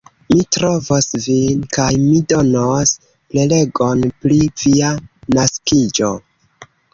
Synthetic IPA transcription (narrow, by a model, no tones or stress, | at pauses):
mitɾovosvinkajmido̞nos | plele̞ɡonpɾiv̥ianaskid͡ʒo